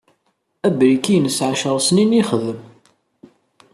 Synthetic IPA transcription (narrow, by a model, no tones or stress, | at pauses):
æbɾikijnəsʕaʃəɾˤsniniχðəm